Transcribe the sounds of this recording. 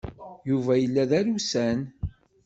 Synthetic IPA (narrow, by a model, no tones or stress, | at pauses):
juvæjəlːæðæɾusæn